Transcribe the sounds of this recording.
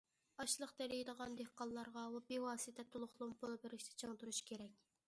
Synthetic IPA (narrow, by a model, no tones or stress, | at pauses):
ɑʃlˠəqd̪ɛɾijd̪əʁɑnd̪ehqɑnˠlˠɑɾʁɑwɛbiwɑːsit̪ʰɛt̪ʰulˠʊχlˠʊmbʰolˠbɪɾɪʃt̪ʰɛ̥t͡ʃʰɑŋt̪uɾuʃi̥kʲʰeɾɛkʲ